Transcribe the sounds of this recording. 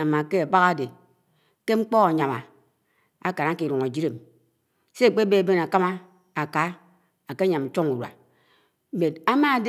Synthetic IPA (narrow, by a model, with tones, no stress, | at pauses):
a˨ma˨ke˦a˨ba˦ɣa˦˨de˨ | ke˦ŋ͡m̩˦k͡pɔ˦ɣa˨ɲa˨ma˨ | a˦ka˨na˦ki˨ɾu˨ŋa˨d͡ʒi˦ɾe˨m | se˦˨k͡pe˦be˦a˨be˦n˨a˨ka˦ma˦ | a˨ka˨˦ | a˨ke˦ɲa˨m̩˨t͡ʃo˦ŋu˨ɾwa̰˨ | me˨ta˦ma˦˨d